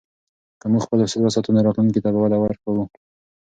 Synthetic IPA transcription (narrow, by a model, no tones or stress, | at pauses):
kəmuɡxpəlasaɾasɑt̪unaɾɑt̪luŋkit̪abawad̪awaɾkawu